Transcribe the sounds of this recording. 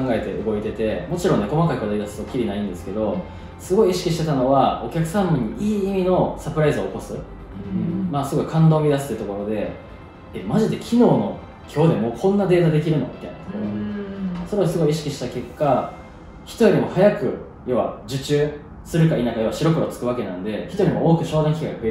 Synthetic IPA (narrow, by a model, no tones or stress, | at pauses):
kãŋɡae̞t̪e̞̰ɯ̟ɡo̞it̪e̞t̪e̞mo̞t͡ɕiɾõ̞nːe̞ko̞makaikɯ̟od̪aid̪asɨ̥okʲːiɾʲinaĩnd̪esɨ̥ke̞d̪o̞ | sɨɡo̞iiɕi̥kʲiɕi̥t̪e̞t̪ano̞βao̞kʲakɯ̟̥sãmbiɲ̟ːiʔiːimʲino̞sapɯ̟ɾaizɨoːko̞sɨ | ɯ̃ɴmasɨɡo̞ikʰãnd̪o̞ːmʲid̪asɨ̥t̪et̪o̞ko̞ɾo̞d̪e̞ | emaʑid̪e̞kʲʰino̞ːno̞ | kʲʰo̞ːd̪e̞mo̞ːkʰõ̞nːad̪e̞ːt̪ad̪e̞k̬ʲiɾɯ̟no̞̰mʲi̥t̪ːaj̰nat̪okoo | soɾe̞osɨɡo̞iɕi̥kʲiɕi̥t̪ake̞kːa | çi̥t̪ojoɾʲimo̞hajakɯ̟ | jo̞βa̰d͡ʑɨt͡ɕɨː | sɨɾɯ̟kaiːnakajo̞βaɕiɾo̞kɯ̟ɾot͡sɨ̥kɯ̟βake̞nã̰nd̪e̞çi̥t̪oɾʲimooːkɯ̟ɕo̞ːd̪ãŋkʲiɡaɸɯ̟e